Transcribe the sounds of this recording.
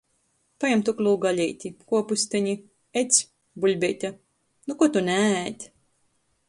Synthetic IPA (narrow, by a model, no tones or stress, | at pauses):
pajamt̪uklˠuːɡalʲɛjt̪ʲikuɔpusʲt̪ʲɛɲi | et̪sʲ | bulʲbʲɛjt̪ʲa | nukuɔt̪unæt̪ʲ